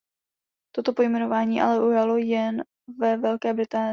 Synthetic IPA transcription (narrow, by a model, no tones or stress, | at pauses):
t̪o̞t̪o̞po̞jmɛno̞vaːɲiːʔa̰lɛʔujalo̞jɛn | vɛvɛlkɛːbɾɪt̪aːn